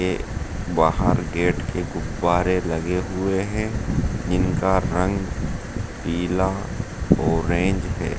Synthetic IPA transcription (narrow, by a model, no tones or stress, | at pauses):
e | baːɦəɾɡeːʈkʰeɡʊbːaːɾelɐɡeɦʊeɦɛ̃d͡ʒɪnkaɾə̃ŋɡ | piːlaɔːɾẽːɲd͡ʒɦɛ̰ː